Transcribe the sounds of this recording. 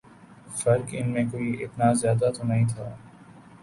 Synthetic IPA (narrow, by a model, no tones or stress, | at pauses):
fɐɾkɪnmẽkoːiʔɪt̪nazjaːd̪at̪onɐɦĩt̪ʰaː